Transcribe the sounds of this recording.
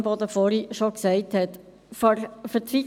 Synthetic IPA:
bod̪əfɔɾiʃoksɛɪthɛt | ffətɾi

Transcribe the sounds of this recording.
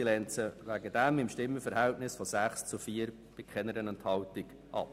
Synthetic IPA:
ilɛnt͡səʋæɡəd̥æmɪmʃtɪmːəfəɾhæltnɪsfɔsæχst͡sufiːəɾ | b̥ɪkχɛnəɾənɛnthɑwtɪɡ | ʔɑ̰p

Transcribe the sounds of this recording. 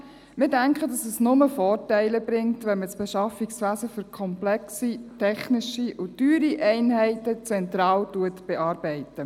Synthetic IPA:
mɪːɾdæŋkχədɑsɛsnʊməfɔːɾtɛɪləbɾɪŋtʋɛnməsb̥ɛʃɑfiksʋæːsəfʏɾkʰɔmplɛksitʰɛχnɪʃiʊtyːɾiʔɛɪnɦɛɪtət͡sɛntɾɑːwtuətb̥ɛʔɑːɾbɛɪtə

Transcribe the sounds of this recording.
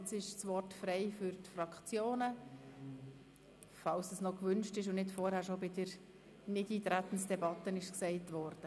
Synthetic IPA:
t͡sɪʃt͡svɔrtfɾɛɪfʏɾtfrɑkχt͡sjoːnə | fɑlsəsnɔkvʏnʃtɪʃ̬ʊnnɪtfɔːɾhæːɾʃobɪdəɾ | nɪdiːtɾæt̪n̩sd̥ɛbɑtənɪʃksɛɪtvɔɾd̥ə

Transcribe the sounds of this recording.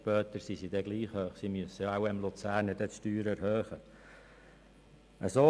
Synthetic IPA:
ʃpœːt̪əɾsisidɛɡliːχhøːχsimyəsəjɑawɪmlut͡sæːɾnədɛtʃtyːɾæɾhøːχə | ʔəsoː

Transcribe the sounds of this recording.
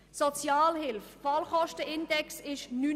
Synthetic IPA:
sɔt͡sjaːlhɪlffɑlχɔʃtəʔɪnd̥ɛksɪʃnyː

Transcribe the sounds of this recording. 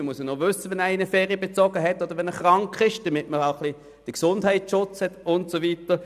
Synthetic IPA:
əmuəsənoʋʏsːəʋɛnæːinəfɛːʁiəbet͡sɔɡəɦɛtːɔd̥əʁʋɛnəχʁɑŋkχɪʃd̥əmɪtməɾaʊχli | d̥əksʊndhɛɪtʃʊt͡shɛtʊntsovitə

